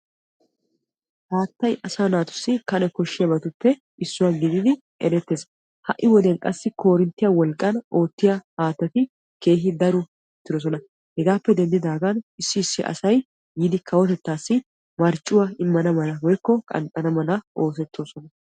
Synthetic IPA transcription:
haːt̪ːɐjʔɐsaːnaːt̪ʊ̥sːɪkɐnɛkɔʃːɪjɐbɐt̪ʊpːɛ | ɪsːʊwaɡɪd̪ɪd̪ɪ | ʔɛ̰ɾɛt̪ːeːs | hɐʔːɪwɔd̪ɛnkʼɐsːɪko̞ːɾɪnt̪ːɪjɐwɔlkʼːɐno̞ːt̪ːɪjɐhaːt̪ːɐt̪ɪ | ke̞ːɦɪd̪ɐɾʊ | ɛt̪ːɪɾɔs̬ɔnɐ | hɛɡaːpːɛd̪ɛnd̪ɪd̪aːɡɐnɪsːɪɪsːɪʔɐ̰sɐj | jid̪ɪkʰɐwɔt̪ɛt̪ːaːsːɪ | mɐɾt͡ʃʼːʊwaɪmːɐnɐmɐnɐwɔjkːɔkʼɐ̰nt̪ʼːɐnɐmɐnɐʔo̞ːs̬ɛt̪ːoːsɔnɐ

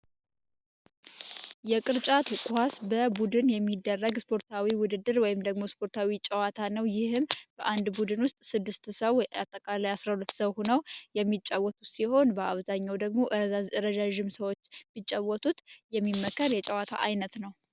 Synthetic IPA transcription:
jɛkʼɨɾt͡ʃʼat̪kʼuhasbəbud̪ɨnjɛmːid̪ːərːəɡspʰo̞ɾt̪ʰawiwʊd̪ɨd̪ːɨɾwɔjɪmd̪əɡmo̞spʰo̞ɾt̪ʰawit͡ʃʼəwat̪ʰanəwjɪhɨmb̥əʔand̪bud̪ɨnwʊst̪ʼsɨd̪ːɨst̪səwat̪ʼːəkʼalajasɾahulət̪ːsəwhunəwjɛmːit͡ʃʼːawɔt̪ʰut̪siho̞nbəaβzaɲːawd̪əɡmo̞ʔɨɾzazɨɾəʒaʒɪmsəwot͡ʃːbit͡ʃʼːawɔt̪ʰut̪jɛmːimːəkʰːəɾjɛt͡ʃʼɛwat̪ʰa̰ʔajnət̪nəw

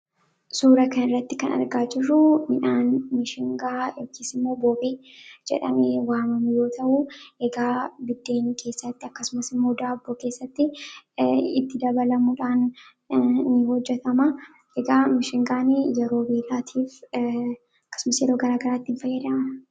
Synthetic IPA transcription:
suːɾɐkɐnɪrːɐt̪ːɪkɐnɐ̰ɾɡaːd͡ʒɪrʊmɪᶑaːnmɪʃɪŋɡaːjokiːsɪmːo̞ːboːbeː | d͡ʒɛ̰ᶑɐ̰meːwaːmɐmɪjo̞ːt̪ʰɐʔuʔeɡaːbɪd̪ːe̞ːŋkʰe̞ːsːɐt̪ːɪɐkːɐsʊmɐsɪmːo̞ːd̪aːbːoːke̞ːsːɐt̪ːɪ | ɪt̪ːɪd̪ɐbɐlɐmuᶑaːnː | ɪhɔd͡ʒːɛt̪ɐmɐ | ʔeɡaːmɪʃɪŋɡaːnɪjɛɾo̞ːbiːlaːt̪ʰiːf | ɐkːɐ̥sʊmɐsjɛɾoːɡɐɾaːɡɐɾaːt̪ːɪnfɐjeːᶑɐɐnɐ

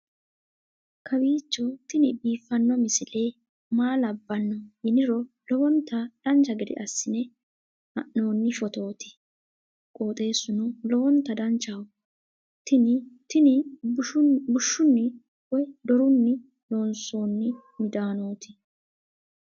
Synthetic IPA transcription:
kʰɐbiːt͡ʃːɔt̪ɪnɪbiːfːɐnːɔmɪsɪle̞ː | maːlɐbːɐnːɔjɪnɪɾɔ | lɔwɔnt̪ːɐd̪̥ɐnt͡ʃːɐɡɪd̪ɪ̰ʔɐsːɪnɛ | ʔɐ̰ʔːo̞ːnːɪfɔt̪o̞ːt̪ɪ̥ | kʼo̞ːt̪ʼe̞ːsːʊnʊlɔwɔnt̪ɐd̪ɐnt͡ʃːɐw | t̪ɪnɪt̪ɪnɪ | bʊʃːʊnːɪ | wɔjd̪ɔɾʊnːɪ | lo̞ːnso̞ːnːɪ | mɪd̪aːno̞ːt̪ɪ̥

